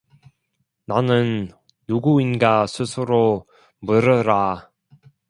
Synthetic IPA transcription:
nanɯnː | uɡuinɡasʰɯsʰɯɾo | mɯɾɯɾa

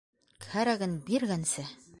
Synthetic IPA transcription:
khæɾæɡɘnbiɾɡænsɘ

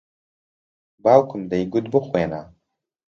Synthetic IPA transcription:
baːwkʰɨmd̪ɐjɡʊt̪bɨxweːna

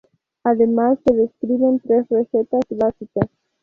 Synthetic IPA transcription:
ad̪emalsed̪eskɾivent̪ɾefɾeset̪aslasik̪a

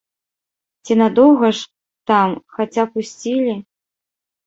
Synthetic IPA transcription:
t͡sʲinad̪ɔwɣɐʂ | t̪amxat͡sʲapusʲt͡sʲilʲi

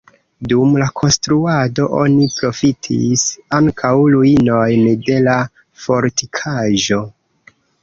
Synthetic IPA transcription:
dumlakʰo̞nstɾuado̞ʔo̞̰nipɾo̞fitʰḭsaŋkʰawluino̞jnde̞la | fo̞ɾtikʰaʒo̞

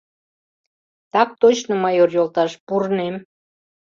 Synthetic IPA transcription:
t̪ɑk̚t̪ot͡ɕnomɑjorjolt̪ɑʃpurnem

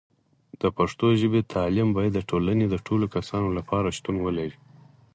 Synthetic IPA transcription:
d̪̥əpaʂt̪oʒəbet̪ʰɑlimbɑjad̪ːəʈʰolaned̪əʈʰolokasɑnolapʰɑɾaʃt̪unwəlaɾi

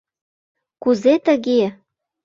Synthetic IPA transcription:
kuzet̪ə̆ɣe

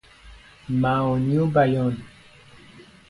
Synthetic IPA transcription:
mãɔnjubajɔn

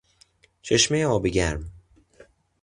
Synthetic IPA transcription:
t͡ʃʰeʃmejeɒːbeɟæɾm

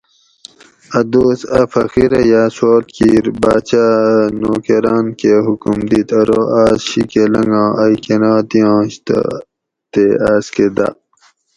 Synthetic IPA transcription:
ɐd̪oːsɐfɐxiɾɐjaːsoːlt̪kiːɾbaːt͡ɕanoːkeɾaːnkeɦukumd̪it̪ʰɐɾoʔaːsɕikelɐŋɡɑ̃ːɐikenɑːt̪ijɑ̃ːɕt̪ | t̪eaːsked̪a̰

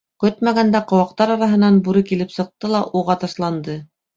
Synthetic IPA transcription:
kɵt̪mæɡænd̪æqŏwɑq̚t̪ɑɾɑɾɑɦɤ̆nɑnbuɾɘkilɘpsɤ̆q̚t̪ɤlˠɑʔuʁɑt̪ɑʃlˠɑnd̪ɤ

